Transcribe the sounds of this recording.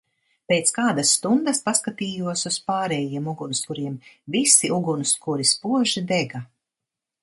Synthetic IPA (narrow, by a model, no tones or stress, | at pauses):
peːt̪skaːd̪asːt̪und̪ɐspaskat̪iːjuɔsuspaːɾɛjiɛmuɡunskuɾiɛmvisiʔuɡunskuɾispuɔʒid̪ɛɡa